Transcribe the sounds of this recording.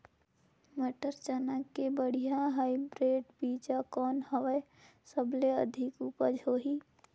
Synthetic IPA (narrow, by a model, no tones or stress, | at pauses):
məʈəɾt͡ʃanakːebəɽ̤ijãɦaːibɾeːɖbiːd͡ʒakɔːnɦəwəe | səbleəd̪ʱɪkupəd͡ʒɦoːɦiː